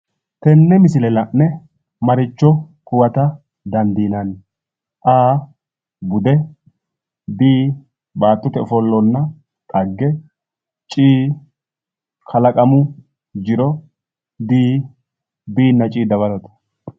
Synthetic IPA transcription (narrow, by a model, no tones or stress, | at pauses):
t̪ɛnːɛmɪsɪlɛlɐnːɛ | mɐɾɪt͡ʃːɔ | kʊwɐt̪ɐ | d̪ɐnd̪iːnɐn | ʔaː | bʊd̪ɛ | biː | baːt̪ːɔt̪ɛʊfɔlːɔnːɐ | t̪ʼɐɡːɛ | t͡ʃʼiː | kʰɐlɐkʼɐmʊ | d͡ʒɪɾɔ | biː | biːnːɐt͡ʃʼiːd̪ɐβɐd̪ɐt̪ɐ̥